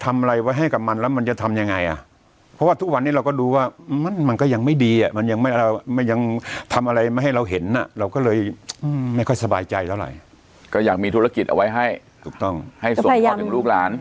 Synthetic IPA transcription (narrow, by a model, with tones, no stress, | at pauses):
t̪ʰa˧mʔa˧ɾa˧jwa˦˥jɦa˥˩jka˨˩p̚ma˧nlɛː˦˥wma˧nt͡ɕa˨˩t̪ʰa˧mja˧ŋːa˧jʔa̰˨˩ | pʰɔ˦˥waː˥˩t̪ʰu˦˥k̚wa˧nːiː˥˩ɾa˧wkɔː˥˩duː˧waː˥˩˧ma˧˥˩nma˧nkɔː˥˩ja˧ŋma˥˩jdiː˧ʔa̰˨˩ma˧nja˧ŋma˥˩jma˥˩jːa˧ŋt̪ʰa˧mʔa˧ɾa˧jma˥˩ɦa˥˩jɾa˧wɦe˩˦nːa̰˨˩ɾa˧wkɔː˥˩lɤː˧jʔɯː˧ma˥˩jkʰɔ˥˩jsa˧baː˧jt͡ɕa˧jt̪ʰa˧˩wɾa̰˨˩j | kɔː˥˩jaː˨˩k̚miː˧t̪ʰu˦˥ɾa˧ki˨t̪̚ʔa̰˧wa˦˥jɦa˥˩j | t̪ʰuː˨˩k̚t̪ɔ˥˩ŋha˥˩jso˨˧a˦˧ɯ˧˦luː˥˩k̚laː˩˦n